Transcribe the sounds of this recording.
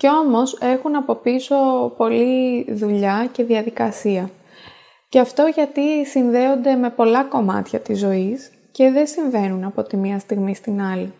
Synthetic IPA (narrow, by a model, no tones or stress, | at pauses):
ce̞o̞mo̞se̞xunɐpo̞piso̞po̞liðuʎɐce̞ðiɐðikɐsiɐ | ceɐft̪o̞ʝɐt̪isinðe̞o̞nd̪e̞me̞po̞lɐko̞mɐ̰t̪çɐt̪izːo̞is | ce̞ðe̞siɱve̞nunɐpo̞t̪imiɐst̪iɣmist̪inɐli